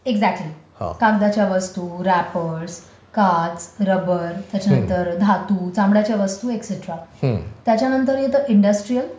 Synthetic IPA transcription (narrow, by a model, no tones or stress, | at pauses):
eɡd͡zæk̚ʈliha̰kãɡd̪at͡ɕjaʋəst̪uːɾæpəɾs | kat͡sɾəbəɾt̪jat͡ɕjanənt̪əɾd̪ʱat̪uːt͡sãmɽjat͡ɕjaʋəst̪uːekseʈɾat̪jat͡ɕjanənt̪əɾjet̪əʔiɳɖəsʈɾijəl